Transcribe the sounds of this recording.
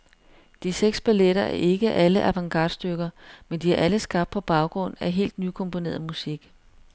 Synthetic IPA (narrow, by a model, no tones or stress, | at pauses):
d̥iseɡ̥sb̥æleɾɐæɐʔe̝ɡ̥əʔæləʔæʋɑ̈ŋɡ̥ɑ̰̈ːd̥sd̥øɡ̥ɐmend̥iæɐʔæləsɡ̥ɑ̈b̥d̥̚pʰɒ̽b̥ɑ̈ʊɡ̥ʁɔ̽n̰æɦe̝̰ːld̥nykʰɔ̽mpʰo̝ne̝̰ːɐðˠmusiɡ̥